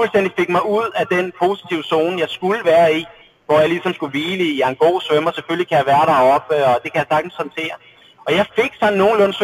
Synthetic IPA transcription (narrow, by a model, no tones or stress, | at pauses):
ulsd̥en̰d̥ife̝ɡ̥̚mɑ̈ɪuð̞̰ˠæd̥enpʰo̝si̥t͡sʰiʊəso̝ːnəjɑ̈ɪsɡ̥uləʋæːɐi | ʋɒjɑ̈ɪlisɒ̽msɡ̥uʋiːləiɑ̈nɡ̥o̝̰ːsʋømɒsefølikʰæjɑ̈ʋæːɐɾɑ̈ɒ̽b̥əɒ̽d̥e̝kʰæjɑsɑ̈ɡ̥n̩shɒ̽nt͡sʰe̝̰ːɐ | ɒ̽jɑ̈ɪfe̝ɡ̥sɒ̽n̰n̩ːo̝ːn̩lɔ̽nsʋø